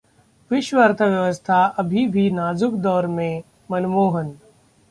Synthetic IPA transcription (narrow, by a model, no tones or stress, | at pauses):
ʋɪʃwəɾt̪ʰəʋjɐʋəst̪ʰaɐbʱibʱinaːzʊkd̪ɔːɾmẽ | mɐnmoːɦən